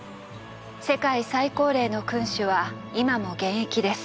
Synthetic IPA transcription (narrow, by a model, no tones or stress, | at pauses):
se̞kaisaiko̞ːɾe̞ːno̞kɯ̟̃ɰ̃ɕɨβa | imamo̞ɡẽ̞ɰ̃ekʲid̪e̞sɨ̥